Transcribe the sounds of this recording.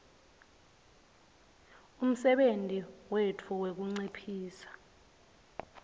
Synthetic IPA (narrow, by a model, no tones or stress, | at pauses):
um̩sɛɓentʼiwetʰuwek̬uŋ͡ǀipʰiːsḁ